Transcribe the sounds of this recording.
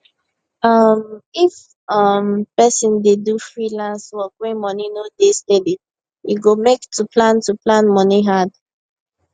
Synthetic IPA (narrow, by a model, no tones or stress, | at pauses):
ʌmif | ʌmpɛsĩndedufɹilãnswɔkwĩmʌninodestedi | juɡomektʰupʰlãntuplãnmʌniɦad